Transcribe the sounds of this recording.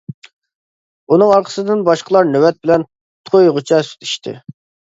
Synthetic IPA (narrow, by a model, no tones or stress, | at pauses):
unɨŋɑɾqʰə̥sɨd̪ɨnbɑʃqʰəlˠɑɾnøwɛt̪̚bɪlɛn | t̪ʰojʁʊt͡ʃʰɛsy̥t̪ʰi̥ʃt̪ʰɪ̰